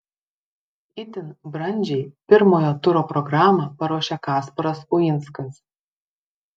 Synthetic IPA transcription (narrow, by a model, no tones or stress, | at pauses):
ɪt̪ʲɪnbɾɐnʲd͡ʒʲɛɪpʲɪɾmoːjoːt̪ʊɾoːpɾɔɡɾaːmɐpɐɾuɔʃʲɛkɑːspɔɾɐsʊjɪnt̪skɐs